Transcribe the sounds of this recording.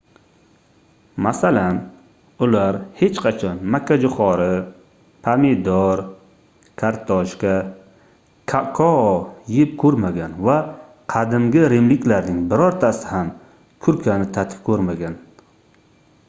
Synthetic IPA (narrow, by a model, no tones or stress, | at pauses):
masalan | ʊlaɾhe̞t͡ʃqʰɑt͡ʃʰɒnmakʲʰːad͡ʒʊχɒɾɪ | pʰamed̪ɒɾ | kʰaɾt̪ʰɒʃkʲa | kʰakʰɒjɪp̚kʰɵɾmaɡʲanva | qʰɑd̪ɪmɡʲɪɾemlɪkʲlaɾnɪŋbɪɾɒɾt̪ʰasɪ̥ham | kʰʊɾkʰʲanɪt̪ʰat̪ʰɪ̥p̚kʰɵɾmaɡʲan